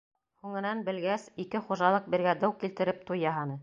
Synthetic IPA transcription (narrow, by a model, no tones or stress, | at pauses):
huŋɘ̆nænbɘ̆lɡæsikɘχuʒɑlˠɤq̚bɘ̆ɾɡæd̪æwkilt̪ɘ̆ɾɘp̚t̪ujːɑɦɑnɤ